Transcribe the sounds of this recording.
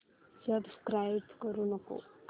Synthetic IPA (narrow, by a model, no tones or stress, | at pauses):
səbskɾajbkəɾunəko̰